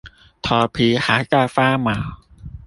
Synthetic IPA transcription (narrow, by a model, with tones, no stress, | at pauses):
t̪ʰɔː˧pʰiː˧haː˨˩˦kaː˧˩faː˥˩maː˨˩˦w